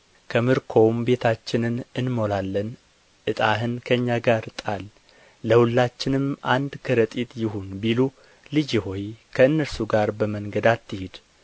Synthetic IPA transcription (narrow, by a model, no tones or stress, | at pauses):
kʰəmɨɾkʰo̞wmbe̞t̪ʰat͡ʃːɪnɨnɨnmo̞lalːən | ʔɨt̪ʼaɦɨnkʰəɨɲːaɡaɾt̪ʼalː | əhulːat͡ʃːɪnɨmʔand̪kʰəɾət̪ʼit̪jɪhunbilu | lɨd͡ʒho̞jkʰəɨnːəɾsuɡaɾbəməŋɡəd̪at̪ʰːɨhɪd̪